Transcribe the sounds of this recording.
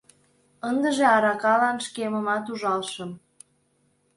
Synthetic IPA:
ənd̪əʒeɑɾɑkɑlɑnʃkeməmɑt̪uʒɑlʃəm

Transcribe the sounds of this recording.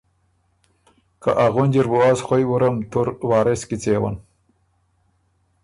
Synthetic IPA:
kaʔaɣunʲd͡ʑiɾbuasχʷojwuɾamt̪ʰuɾwaːɾeskit͡seːwa̰n

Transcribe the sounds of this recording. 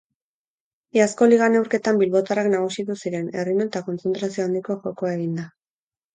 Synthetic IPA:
iasko̞liɣ̞ane̞wɾke̞t̪ambilβo̞t̪araknaɣ̞usiðusiɾe̞ne̞rino̞t̪ako̞nt͡se̞nt̪ɾasioand̪iko̞ʝo̞koae̞ɣ̞ind̪a

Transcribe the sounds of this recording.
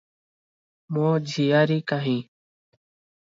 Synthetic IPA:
mõːd͡ʒʱijaːɾiːkaːɦĩː

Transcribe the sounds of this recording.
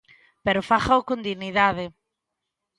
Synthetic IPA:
peɾʊfaxaokond̪iɣniðaðɪ

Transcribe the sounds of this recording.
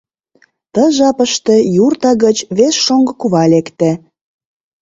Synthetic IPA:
t̪əʒɑpə̆ʃt̪ĕjurt̪ɑɣət͡ɕβesʃoŋɡɤ̆kuβɑlʲekt̪æ

